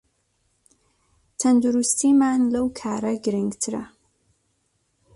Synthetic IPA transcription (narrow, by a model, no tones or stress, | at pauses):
t̪ʰɐnd̪uɾust̪imaːnlɐwkʰaːɾɐɡɨɾɨŋɡt̪ʰɨɾɐ̰